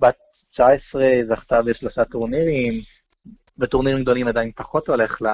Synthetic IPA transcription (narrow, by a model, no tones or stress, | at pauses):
batt͡ʃaesʁezaχt̪abeʃloʃat̪oʁniʁim | vetoʁniʁimɡ̚d̪o̞limad̪ajinpaχo̞t̪o̞le̞χla